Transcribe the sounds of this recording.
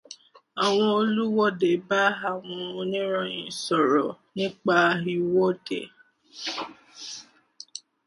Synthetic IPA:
a˨w̃ɔ̃˧o˧lu˦wɔ˦˨de˨ba˦a˦˨w̃ɔ̃˧nĩ˦ɾ̃ɔ̃˧jĩ˨sɔ˨ɾɔ˨ | nĩ˦k͡pa˧i˧wɔ˦dḛ˨

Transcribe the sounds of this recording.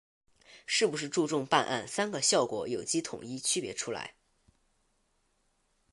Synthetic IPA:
ʂɻ̩˥˩pu˩ʂ̬ɻ̩˥˧ʈ͡ʂu˥˧ʈ͡ʂʊ˥˧ŋpa˥˧nʔa̰˥˩nsa˥nɡə˨ɕjɑ˥˩ʊkwɔ̰˧˥jo˨˩ʊt͡ɕi˥t̪ʰʊ̰˨˩ŋi˥˩t͡ɕʰy˥pjɛ̰˧˥ʈ͡ʂʰu˥la̰˧˥ɪ

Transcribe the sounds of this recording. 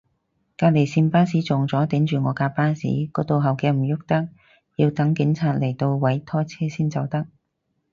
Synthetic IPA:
kaː˧t̚le˨˩jsiː˧npaː˥siː˨˥t͡sʊ˨ŋt͡sɔː˨˥t̪ɪ˨˥ŋt͡ʃyː˨ŋɔː˨˧kaː˧paː˥sḭː˨˥kɔː˧t̪o˨˧wɦɐ˨wkɛː˧m̩˨˩jʊ˥k̚t̪ɐ˥k̚ | ji˧wt̪ɐ˨˥ŋkɪ˨˥ŋt͡sʰaː˧t̚le˨˩jt̪o˧wwɐ˨˥jt̪ʰɔː˥t͡sʰɛː˥siː˥nt͡sɐ˨˧wt̪ɐ˥k̚

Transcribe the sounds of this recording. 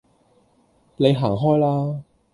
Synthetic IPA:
ne˨˧jɦaː˨˩ŋɦɔː˥jlaː˥

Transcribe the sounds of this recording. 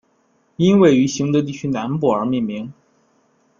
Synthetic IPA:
i˥nwe˥˩ɪy˧˥ɕi˧˥ŋd̪ə˧t̪̬i˥˩t͡ɕʰy˥na˧˥npu˨˩ə˞˧˥mi˥˩nmi˧˥ŋ

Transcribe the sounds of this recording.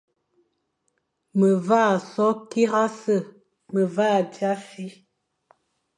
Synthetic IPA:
mə˨vaː˦˨sɔ˦ki˦ha˦sə˦˨ | mə˨va˦˨dja˦fi˦

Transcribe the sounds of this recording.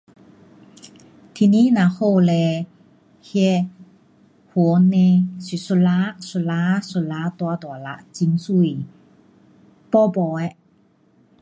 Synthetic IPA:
t̪ʰi˧˨ni˦˥na˨xo˥˧˩wlɛ˧ | hjɛ˧ | hu˨˩˦nɛ˧si˨su˧˨la˧˦˥ʔsu˧˨la˧˥su˧˨la˧˦t̪ɔ˧a˦t̪ɔ˨la̰˧˨ʔt͡ɕi˧˦ŋsu˧˩˨j | pɔ˧˨pɔ˨˧˨ɛ˧˦ʔ

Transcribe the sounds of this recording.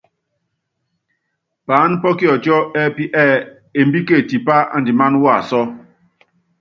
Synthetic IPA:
paː˨˦n̩˦pɔ˦ki˦ɔ˨t͡ʃɔ˦ɛ˦pi˦ʔɛ˦˨ | e˨m̩˦bi˦ke˦˨ti˨pa˦a̰˨n̩˨di˨ma˦n˦wa˦˨sɔ˦

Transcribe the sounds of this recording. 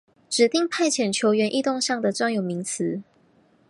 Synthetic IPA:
ʈ͡ʂɻ̩˨˩t̪i˥˧ŋpʰa˥˨ɪt͡ɕʰjɛ˨˩nt͡ɕʰjo˧˥ʊɥɛ˨˦˥nʔi˥˧t̪ʊ˥˧ŋɕjɑ˥˩ŋd̪ə˨t͡swa˥ŋjo˨˩mi˧˦ŋt͡s̩ʰ˧˦

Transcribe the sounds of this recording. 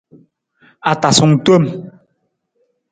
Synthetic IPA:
a˨ta˨su˨ŋ˨to˦˨m

